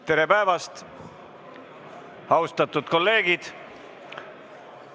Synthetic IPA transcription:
t̪e̞ɾe̞pæevɑst̪ | ɑwst̪ɑt̪ːud̪̥ko̞lːe̞ːɡid̪̥

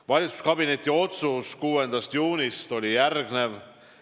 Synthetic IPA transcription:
vɑlʲit̪su̥skɑbine̞t̪ʲːˑio̞t̪suskuːe̞nd̪̥ɑst̪juːnist̪o̞lʲijærɡ̥ne̞v

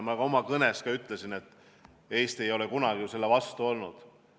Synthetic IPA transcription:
mɑɡɑo̞mɑkɤneskɑyt̪ːˑle̞sine̞t̪ːˑ | e̞jst̪e̞jo̞lekunɑɡijuse̞lːevɑst̪uo̞lnud̪̥

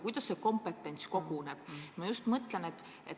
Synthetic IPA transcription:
kujd̪̥ɑsːeko̞mpet̪ːˑe̞nʲt̪sko̞ɡ̥uneb̥mɑjust̪mɤt̪ˑlenet̪ːˑ | ḛt̪

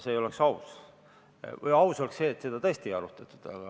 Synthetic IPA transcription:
seːjo̞leksɑus | vɤjɑuso̞lekse̞ːt̪ːsed̪̥ɑt̪ɤːst̪ieɑɾut̪ːˑɑt̪ːˑu̥d̪̥ɑ̰ɡɑ

